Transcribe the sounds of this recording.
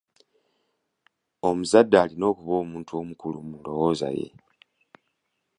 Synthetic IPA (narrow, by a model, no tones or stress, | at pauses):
o̞muzadːaːlino̞ːkuβo̞ːmuːntuo̞mukulumunlo̞wo̞ːza̰jḛ